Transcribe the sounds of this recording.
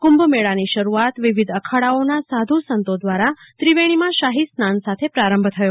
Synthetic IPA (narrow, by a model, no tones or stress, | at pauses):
kũmbmeɭaniʃəɾuat̪ʋiʋid̪əkʰaɽaonasad̪ʱusənt̪od̪ʋaɾat̪ɾiʋeɽ̃imãʃaɦisnansat̪ʰepɾaɾə̃mbʱt̪ʰəjo